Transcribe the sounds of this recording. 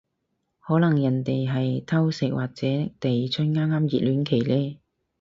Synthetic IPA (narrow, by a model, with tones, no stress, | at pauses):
hɔː˨˥lɐ˨˩ŋjɐ˨˩nt̪e˨jɦɐ˨jt̪ʰɐ˥wsɪ˨˥k̚waː˨k̚t͡sɛː˨˦˥t̪e˨jt͡sʰɵ˥nŋaː˥ŋaː˥mjiː˨t̚lyː˨˥nkʰe˨˩jlɛː˥